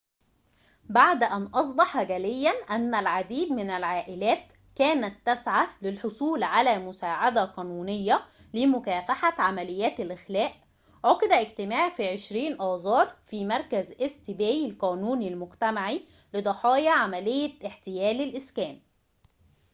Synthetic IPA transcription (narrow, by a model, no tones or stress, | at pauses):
baʕd̪ʔænʔɑs̬ˤbɑħɡælɪjːænʔænːælʕad̪iːd̪mɪnælʕaːʔɪlæːt̪ | kæːnæt̪ːæsʕalɪlħosˤuːlʕalæːmʊsaːʕad̪æqɑːnuːnejːæ | lɪmʊkæːfaħaʕamælɪjːæːt̪ælʔɪxlæːʔ | ʕoqɪd̪æʔɪɡt̪ɪmaːʕfiʕeʃɾiːnʔɑːzˤɑːɾˤfiːmɑɾˤkæzʔest̪ɪbæːjɪlqɑːnuːnilmʊɡt̪æmaʕi | lɪd̪ˤɑħɑːjɑʕamælejːæʔɪħt̪ɪjæːlɪlʔɪskæːm